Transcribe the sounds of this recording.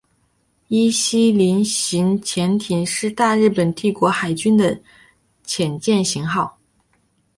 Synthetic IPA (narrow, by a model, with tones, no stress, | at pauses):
i˥ɕi˥li˧˥nɕi˧˥nt͡ɕʰjɛ˧˥nt̪ʰi˨˩ŋʂɻ̩˥˧t̪a˥˧ɻɻ̩˥˩pə˨˩nt̪i˥˩kwɔ˧˥xa˨˩ɪt͡ɕy˥nd̪ə˨ | t͡ɕʰjɛ˨˩nt͡ɕjɛ˥˩nɕi˧˥ŋxɑ˥˩ʊ